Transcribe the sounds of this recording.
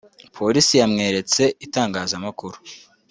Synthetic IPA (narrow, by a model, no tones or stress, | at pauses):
pʰo̞ɾisijamŋe̞ːɾe̞t͡se̞itaːŋɡaːzamakuɾu̥